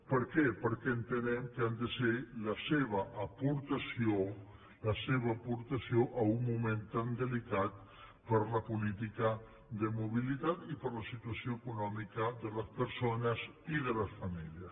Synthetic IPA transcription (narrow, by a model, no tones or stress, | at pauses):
pəɾkɛpəɾkɛənt̪ənɛmkəand̪əseləseβəʔːpuɾt̪əsio | ləseβəːpuɾt̪əsioʔəumːument̪and̪əlikat̪̚ | pəɾləpulit̪̬ikə | d̪əmuβ̞ilit̪at̪ipəɾləsit̪uasijoekunɔmikəðələspəɾsonəziðələsfamiljəs